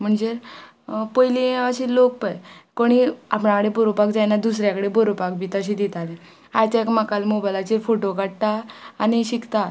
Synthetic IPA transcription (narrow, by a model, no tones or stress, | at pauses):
m̤əɳd͡ze | pəjliaɕilok̚pəjkoɽ̃ia̰pɳãkəɽebəɾupak̚d͡zajnad̪us̬ɾjakəɽebəɾupak̚bʱiːt̪əɕ̬ĩd̪it̪alẽ | ajt͡ɕ̪aekməkalmobajlat͡ɕifoʈokaɽt̪aːñiɕikt̪a